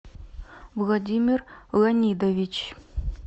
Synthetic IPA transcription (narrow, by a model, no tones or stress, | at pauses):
vlˠɑd̪ʲimʲirlˠɐnʲid̪ovʲit͡ɕ